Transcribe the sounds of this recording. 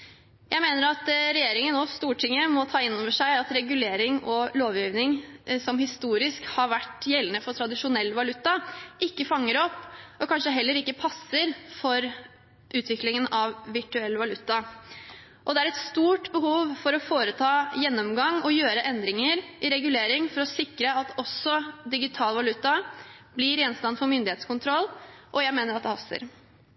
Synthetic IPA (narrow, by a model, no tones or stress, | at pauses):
jʔæɪmeːnəɾɑt̪ɾɛjeːɾɪŋənoːst̪uːʈʰɪŋːəmɔt̪ʰɑːɪnːɔʋəʂæɪɑt̪ɾɛɡʉleːɾɪŋɔloːʋjiːʋnɪŋsɔmhɪst̪uːɾɪskhɑɾʋæʈjɛlənəfɔɾʈʰɾɑd̪ɪʂʊnɛlːʋɑlʉt̪ːɑʔɪkːəfɑŋːəɾɔpːɔkʰɑnʂəɦɛlːəɾɪkːəpʰɑsːəɾfɔɾ | ʔʉːt̪ʰʋɪklɪŋənɑʋʋɪʈʉɛlːəʋɑlʉt̪ːɑ | ʔɔd̪ɛæɾɛt̪st̪uːʈbəhuːʋfɔɾɔfoːɾət̪ʰɑːjɛnːɔmɡɑŋɔjøːɾəʔɛnd̪ɾɪŋəɾʔɪɾɛɡʉleːɾɪŋfɔɾɔsɪkɾəɑt̪ʰɔsɔd̪ɪɡɪt̪ʰɑːlʋɑlʉt̪ːɑblɪɾɪjɛnst̪ɑnfɔɾmʏnd̪ɪheːt̪skʊnt̪ʰɾɔlʔɔjæɪmeːnəɾɑt̪d̪ɛhɑsə̰ɾ